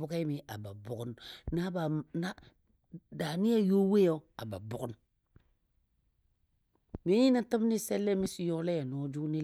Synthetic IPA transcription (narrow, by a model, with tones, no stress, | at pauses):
ʊ˦ka˦mi˨ʔa˨ba̰˨bʊ˨kʊ˦nna˦ba˨na˦ | da˨ni˦ja˦jo˦we˦ja˦a˨ba̰˨bʊ˨kʊ˦n | mi˦ji˦na˨ta˦m˦ni˦sɛ˦lːɛ˦mi˦si˨jɔ˦lɛ˦ja˨n˨ɔ˨˦d͡ʒu˦ni˦